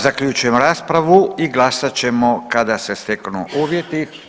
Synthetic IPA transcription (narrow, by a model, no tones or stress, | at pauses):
zakʎut͡ʃujemoɾaːspɾaʋuiɡlˠasat͡ɕe̞mokad̪asest̪eknṵʔuːʋjet̪i